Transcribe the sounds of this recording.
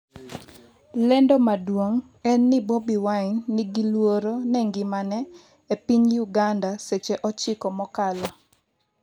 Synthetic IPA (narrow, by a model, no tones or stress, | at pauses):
lɛndɔmadwoŋ | ɛnːɪbobiwaɲnɪɡilwoɾonɛŋɡɪmanɛ | epiɲjuɡandaset͡ʃeʔɔt͡ʃɪkɔmɔkalɔ